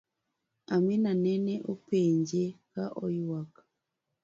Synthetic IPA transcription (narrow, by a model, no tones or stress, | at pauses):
aminaneneʔupeːɲɟekaʔojuwakḁ